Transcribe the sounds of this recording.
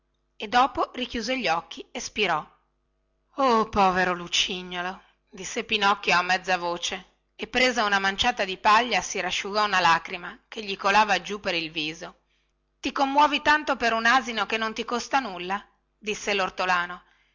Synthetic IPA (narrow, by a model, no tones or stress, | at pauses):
ed̪ːɔːporikjuːzeʎːɔkːiespiɾɔ | opɔːveɾolut͡ʃiɲːolo | d̪isːepinɔkːjoamːɛd̪zːavoːt͡ʃe | epːɾeːzaunamant͡ʃaːt̪ad̪ipaʎːasiɾaʃːuɡɔunalakɾimakeʎːikolaːvad͡ʒupeɾilviːzo | t̪ikomːwɔːvit̪ant̪opeɾunaːzinokenːont̪ikost̪anulːa | d̪isːelort̪olaːno